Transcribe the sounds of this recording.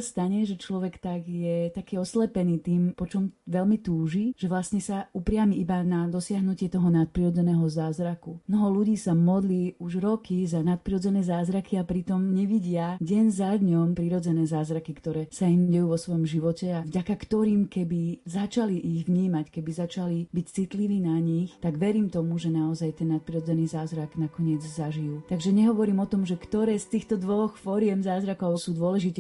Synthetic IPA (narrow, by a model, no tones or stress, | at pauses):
st̪aɲɛʒɛt͡ʃlɔʋɛkt̪aɡjɛt̪akiːɔslɛpɛniːt̪iːmpɔt͡ʃɔmʋɛlmit̪uːʒiʒ̥ɛʋlasɲɛsaupɾɪamiibanad̪ɔsɪaɦnucɪɛt̪ɔɦɔnat̪̚pɾiɾɔd͡zɛnɛːɦɔzaːzɾakumnɔɦɔluɟiːsamɔd̪liuʒɾɔkʰizanat̪̚pɾiɾɔd͡zɛnɛːzaːzɾakʰiapɾit̪ɔmɲɛʋiɟɪaɟɛnzad̪ɲɔmpɾiɾɔd͡zɛnɛːzaːzɾakikt̪ɔɾɛːsaiɲɟɛjuːʋɔsʋɔjɔmʒiʋɔcɛavɟakakt̪ɔɾiːmkɛbizat͡ʃaliʔiɣʋɲiːmackɛbizat͡ʃalibict͡sit̪liʋiːnaɲixt̪aɡʋɛɾiːmt̪ɔmuʒɛnaɔzajt̪ɛnːat̪̚pɾiɾɔd͡zɛniːzaːzɾaɡnakɔɲɪɛd͡zzaʒijuːt̪aɡʒɛɲɛɦɔʋɔɾiːmɔt̪ɔmʒɛkt̪ɔɾɛːst̪iːxt̪ɔd̪ʋɔxfɔɾɪɛmzaːzɾakɔʊsuːd̪ʊɔlɛʒit̪ɛ